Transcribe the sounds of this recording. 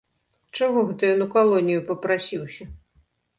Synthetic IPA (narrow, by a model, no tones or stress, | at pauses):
t͡ʂaɣɔɣɛt̪ujɔnukalˠɔnʲijupɐpɾasʲiwsʲɐ